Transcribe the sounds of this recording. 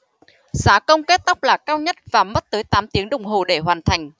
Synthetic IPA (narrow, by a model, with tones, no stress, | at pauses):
saː˨˦kə˧wŋ͡mke˦˥t̚t̪a˦˥k͡p̚laː˨˩kaː˧wɲə˦˥t̚vaː˨˩mə˦˥t̚t̪əː˨˦jt̪aː˨˦mt̪i˨˦əŋɗə˨˩wŋ͡mɦo˨˩ɗe˧˩ɦwaː˨˩nt̪ʰa˨˩jŋ̟